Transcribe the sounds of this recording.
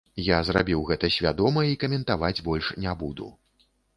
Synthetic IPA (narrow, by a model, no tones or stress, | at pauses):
jazrabʲiwɣɛt̪ɐsʲvʲad̪ɔmɐikɐmʲɛnt̪avad͡zʲbɔlʲʂnʲabud̪ṵ